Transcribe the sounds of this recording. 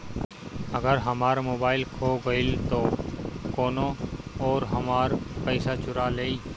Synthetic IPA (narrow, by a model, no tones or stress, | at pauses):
əɡəɾɦəmaːɾmoːbaːɪlkʰoːɡəɪlt̪oːkoːnoɔːɾɦəmaːɾpəːsat͡ʃʊɾaːleːiː